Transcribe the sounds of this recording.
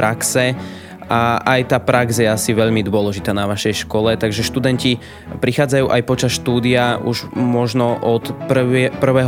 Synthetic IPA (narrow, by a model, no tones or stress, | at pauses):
ɾaksɛ | aʔajt̪aːpɾaɡzjɛasiʋɛʎmid̪ʊɔlɛʒit̪aːnaʋaʃɛjʃkɔlɛt̪aɡʒɛʃt̪ud̪ɛnci | pɾixaːd͡zajuːʔajpɔt͡ʃasʃt̪uːd̪iaʔuʒmɔʒnɔʔɔt̪prpr̩ʋɛːɦ